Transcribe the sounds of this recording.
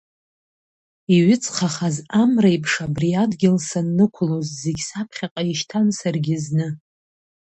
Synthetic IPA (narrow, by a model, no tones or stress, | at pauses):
iɥɪt͡sʰʼχaχazamrajpʰʂabriadɡʲɪlsanːɨkʷʰʊlozzeɡʲsapʰχʲaqʼaiʃtʰansarɡʲɪznɨ